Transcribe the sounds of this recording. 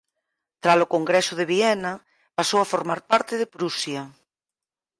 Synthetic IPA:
t̪ɾalokoŋɡɾesoðeβ̞iɛna | pasowafoɾmaɾpaɾt̪eðepɾusja

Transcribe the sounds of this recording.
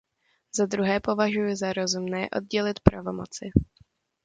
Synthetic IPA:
zad̪ɾuɦɛːpo̞vaʒujʊzaɾo̞zumnɛːʔo̞̰d̪̚ɟɛlɪt̪pɾavo̞mot͡sɪ

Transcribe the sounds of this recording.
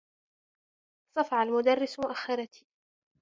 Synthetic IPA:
sˤɑfʕalmʊd̪ɑrːɪsmʊʔaxːɑɾˤɑt̪ʰi̥ː

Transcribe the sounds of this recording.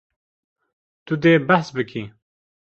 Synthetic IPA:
t̪ud̪eːbaħsbɨkʰi

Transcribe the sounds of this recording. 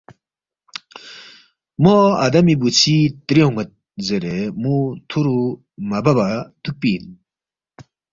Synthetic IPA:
mɔa̰d̪amibut͡sʰit̪ɾiɦuŋɐt̪̚ | zəɾemut̪ʰuɾu | mababat̪ʰɯk̚pin

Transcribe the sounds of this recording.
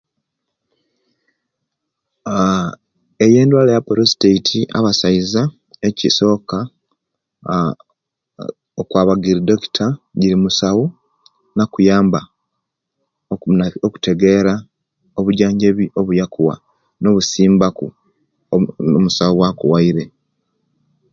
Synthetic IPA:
eje̞ːndwaːlejapoɾosi̥teitʰiʔa̰βasaiza | eciso̞ːka | okwaβaɡiɾido̞ki̥tʰaɟiɾimusawu | nakujaːmba | oku̥tʰe̞ɡe̞ɾa | oβuɟaːɲɟe̞βiʔo̞βujakuwa̰ | no̞βusiːmbakṵ | omusawuwakṵwaiɾe̞

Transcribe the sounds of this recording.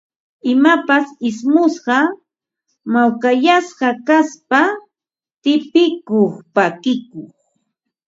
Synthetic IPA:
ɪmapasɪsmʊsɢɑ | mawkajasɢɑkaspa | t̪ɪpɪkoχpakɪkoχ

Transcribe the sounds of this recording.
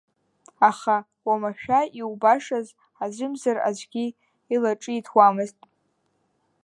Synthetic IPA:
aχa | wamaʃᶣaiwbaʂaz | azʷɨmzara̰zʷɡʲi | ilaʈ͡ʂʼɨitʰwamɨztʼ

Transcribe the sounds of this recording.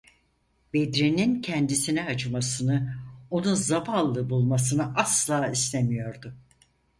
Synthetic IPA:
bed̪ɾinincʰɛnd̪isinɛɦad͡ʒɯmasɯnɯo̞nunzabalˠːɯbulˠmas̬ɯnɯʔaslˠaːist̪ʰemijo̞ɾd̪ʊ

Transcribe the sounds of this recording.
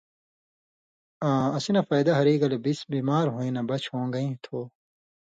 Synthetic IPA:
ãːɐsinɐfɐjd̪ɐɦɐɾiːɡɐlebisbiːmaːɾɦoːĩnɐbɐt͡ɕʰhõːŋɡɐĩt̪ʰoː

